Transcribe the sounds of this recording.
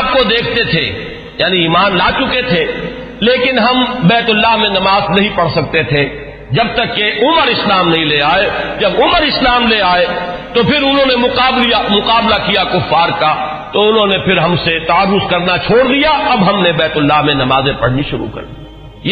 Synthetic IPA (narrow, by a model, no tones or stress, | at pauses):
p̚kod̪eːkʰt̪et̪ʰḛ | jaːniiːmaːnlaːt͡ʃʊket̪ʰe | leːkɪnɦɐmbɛːt̪ʊlːaɦmẽnɐmaːznɐɦĩpɐɽsɐk̚t̪et̪ʰe | d͡ʒɐb̚t̪ɐkːeʔʊməɾɪslaːmnɐɦĩleaːed͡ʒɐbʊməɾɪslaːmleaːet̪opʰɪɾʊnɦõːnemʊqaːblijamʊqaːblakijakʊfːaːɾka | t̪oʊnɦõnepʰɪɾɦɐmset̪aaɾːʊzkɐɾnat͡ʃʰoːɽd̪ijaɐbɦɐmnebɛːt̪ʊlːaɦmẽnɐmaːzẽpɐɽ̤niʃʊɾṵkɐ̰ɾd̪i